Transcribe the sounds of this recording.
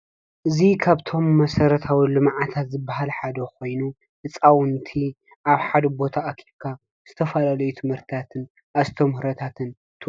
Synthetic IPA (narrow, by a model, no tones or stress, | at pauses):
ʔɨzikʰaβt̪ʰo̞mːɐsɐɾɐt̪ʰawilɨmʕat̪ʰat̪zɨbːaɦalħad̪ɐko̞jnu | ʔɨt͡sʼawɨnt̪ʰi | ʔaβħad̪ɐbo̞t̪ʰaʔːkʰiβkʰa | z̥ɨt̪ʰɐfɐlalɐjut̪ʰɨmhɨɾt̪ʰɨt̪ʰat̪ʰɨn | ʔazt̪ʰɐmhɨɾɐt̪ʰat̪ʰɨn | t̪ʰɨ